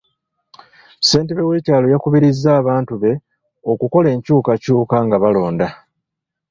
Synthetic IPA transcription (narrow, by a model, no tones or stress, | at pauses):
se̞ːnteβeweːcaːlo̞jakuβiɾizːaːβaːntuβe̞ | o̞kuko̞le̞ːɲcuːkacuːkaŋɡaβalo̞ːnda